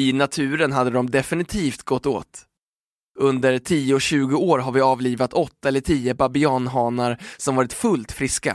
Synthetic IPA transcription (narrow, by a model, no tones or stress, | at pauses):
ɪnat̪ʰʉ̟ːɾənɦad̪ːəd̪ɔmd̪ɛfɪnɪt̪ʰiːft̪ɡɔt̪ːo̰ːt̪ | ɵnd̪əɾʈʰiːəɔɕʉ̟ːɡʊoːɾɦaɾvɪɑːvliːvat̪ʰɔt̪ːaɛlːəʈʰiːəbabɪɑːnɦɑːnaɾsɔmvɑːɾɪt̪fɵlt̪fɾɪska̰